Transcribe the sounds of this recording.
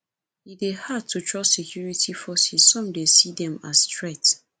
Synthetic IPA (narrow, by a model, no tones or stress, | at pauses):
idehad̚tʰutʰɹɔsekʰjuɹitʰifɔsizːɔ̃mdesidɛ̃mastɹɛt